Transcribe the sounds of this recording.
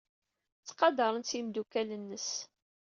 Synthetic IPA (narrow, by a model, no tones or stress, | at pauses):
t͡sːqɑd̪ɑɾˤənsimd̪ukælənːəs